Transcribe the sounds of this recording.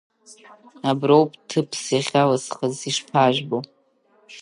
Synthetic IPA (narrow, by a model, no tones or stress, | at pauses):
abrowpʼtʰɨpʰsjaχʲalasχəziʂpʰaʒᶣbo